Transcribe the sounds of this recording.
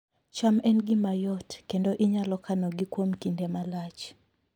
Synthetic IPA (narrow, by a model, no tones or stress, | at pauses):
t͡ʃamɛnɡɪmajɔtkendoʔiɲalɔkanɔɡikwomkindɛmalat͡ʃ